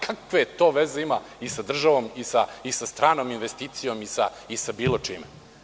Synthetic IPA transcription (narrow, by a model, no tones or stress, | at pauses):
kʰakʋeet̪o̞ːʋezeima | isad̪r̩ʒaʋo̞misaisast̪ɾaːnoːminʋest̪iːt̪sijo̞misaisabiːlˠo̞t͡ʂime